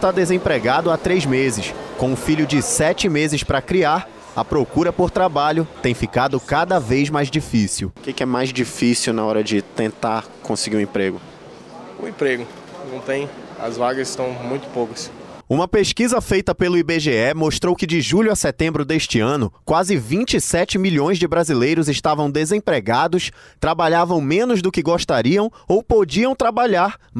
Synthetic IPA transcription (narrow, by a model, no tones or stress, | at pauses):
ʃt̪ad̪ezẽpɾeɡad̪ʊat̪ɾezmezɪskõw̃ʊfiʎʊd͡ʒɪsɛt͡ʃɪmezɪspɾɐkɾiaɾ | ɐpɾokuɾɐpoɾt̪ɾabaʎʊt̪ẽj̃fikad̪ʊkad̪ɐvejzmajzd͡ʒifisiwkekɪɛmajzd͡ʒifisiwnɐɔɾɐd͡ʒɪt̪ẽnt̪aɾkõsɪɡiɾʊẽpɾeɡʊ | ʊ̰ẽpɾeɡʊ | nɐ̃w̃t̪ẽj̃ɐ̰zvaɡɐzɪst̪ɐ̃w̃mũj̃t̪ʊ̥pokɐs | ũmɐpeskizɐfejt̪ɐpelʊibeʒeɛmoʃt̪ɾowkɪd͡ʒɪʒuʎʊɐsɛt̪ẽmbɾʊd̪eʃt͡ʃɪɐ̃nʊkwazɪvĩt͡ʃɪsɛt͡ʃɪmiʎõj̃zd͡ʒɪbɾazilejɾʊzɪʃt̪avɐ̃w̃d̪ezẽpɾeɡad̪ʊst̪ɾabaʎavɐ̃w̃mẽnʊzd̪ʊkɪɡoʃt̪aɾiɐ̃w̃owpod͡ʒiɐ̃w̃t̪ɾabaʎaɾ